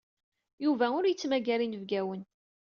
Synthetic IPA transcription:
juvæʊɾjət͡sːmæɡælinəvɡæwən

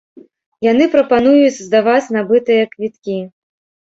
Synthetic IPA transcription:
jan̪ɨpɾɐpanujut͡sʲzd̪ɐvat͡sʲnabɨt̪ɨjɐkvʲit̪̚kʲi

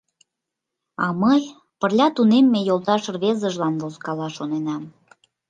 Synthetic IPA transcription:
ɑməj | pərlʲɑt̪unemːejolˠt̪ɑʃrβezəʒlɑnβoskɑlɑʃonenɑm

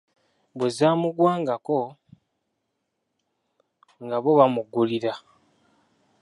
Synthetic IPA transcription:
bwezaːmuɡwaːŋɡako | ŋɡaβoβamuɡuliɾa

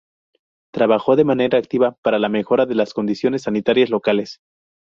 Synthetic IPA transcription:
t̪ɾaβaxo̞ðe̞mane̞ɾaːk̚t̪iβapaɾalame̞xo̞ɾaðe̞lasko̞nd̪isjo̞ne̞sːanit̪aɾjazlo̞kale̞s

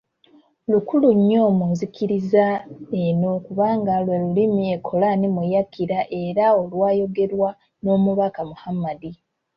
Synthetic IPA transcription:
lukuluɲːo̞ːmunzikiɾizae̞no̞kuβaːŋɡalwelulimiekʰo̞laːnimujakiɾaʔe̞ɾao̞lwaːjo̞ɡe̞ɾwa | no̞ːmuβakamuhamadi

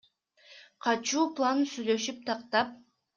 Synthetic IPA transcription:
qʰɑt͡ʃuːplˠansyjlø̞ʃyp̚t̪ʰɑqt̪ɑp̚

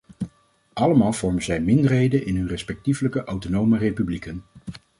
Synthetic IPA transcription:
ɑləmaːlˠv̥ɔɹmənzɛjmɪndəɹɦejdənʔɪnɦɵnrɛspɛk̚tivələkəʔɑwtonowmərejpyblikən

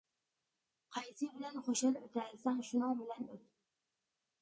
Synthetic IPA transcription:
qʰɑjsɪbɪlanχoʃalot̪ʰalsaŋʃʊnɒŋbɪlanot̪̚

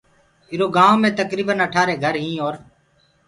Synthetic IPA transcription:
ɪɾoːɡãːomẽːt̪əkɾiːbənəʈʰaːɾeːɡʱəɾɦĩːɦoːɾ

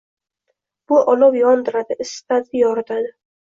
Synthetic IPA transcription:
b̥ʊʔɒlˠɒwjɒnd̪ɪɾad̪ɪɪst̪ad̪ɪjɒɾɪt̪ʰad̪ɪ

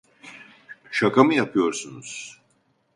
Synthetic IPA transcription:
ʃakʰamɯjapʰɯjo̞ɾsunuz̥

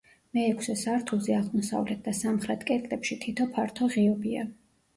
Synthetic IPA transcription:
mɛːkʷʰsɛsaɾt̪ʰuzɛaʁmɔsa̰vlɛt̪̚d̪asamχɾɛt̪ʰkʼɛt̪ʼlɛpʃit̪ʰit̪ʰɔpʰaɾt̪ʰɔʁiɔbia̰

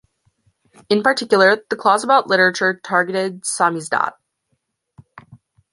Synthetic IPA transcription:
ɨ̃npə˞tʰɪkjl̩ˠə˞ðəkʰl̥ɔzəbaʊʔˡlɪɾə˞ɨt͡ʃə˞tʰɑɹɡɨɾɪd̚sɑmizdɑ̰t̚

